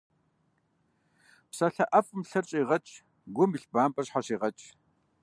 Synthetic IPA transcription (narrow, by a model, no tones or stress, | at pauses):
psɐɬɐʔɐfʼmɬɐrt͡ʃʼiːʁɐt͡ʃʼ | ɡʷʊmiɬbaːmpʼɐrɕħaɕiːʁɐt͡ʃʼ